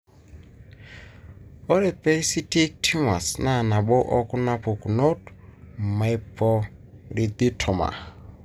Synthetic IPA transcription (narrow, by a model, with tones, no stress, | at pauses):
ɔ˦ɾɛ˨pɛ˦i˦si˦ti˦k̚tʰi˦ŋa˨sna˦˨na˨ɓɔ˦ʔɔ˦kʊ˦na˦po˨ku˨no˦tma˨i˦pʰɔ˦ɾi˨d̪i˦tʰɔ˨ma̰˨